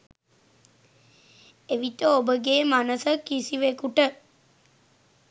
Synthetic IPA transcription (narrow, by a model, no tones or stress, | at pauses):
eʋit̪əobəɡeːmanəsəkisiʋekuʈə